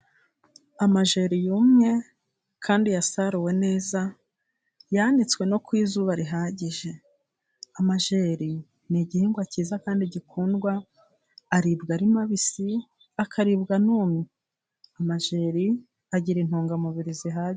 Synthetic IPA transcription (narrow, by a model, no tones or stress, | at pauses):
amaʒe̞ːɾijuːmŋe̞ | kʰaːndijasaɾuwe̞ne̞ːza | janit͡swe̞no̞kwiːzuβaɾiɦaːɟiʒe̞ | amaʒeːɾi | niɟihiːŋɡwaciːzakaːndiɟikʰuːnɡwaː | ɾibɡaɾimaβisi | akaɾibɡanuːmi | amaʒeːɾi | aɟiɾin̥huːŋɡamuβiɾiziɦa